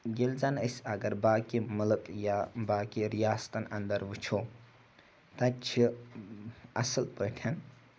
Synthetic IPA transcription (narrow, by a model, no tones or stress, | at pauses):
ɡelzanəsɐɡɐɾbaːkimulɨkjabaːkiɾijaːst̪ɐnɐ̰nd̪əɾʋut͡ʃʰo | t̪ɐt͡ʃʰi | ɐ̰səlpəʈʰɐn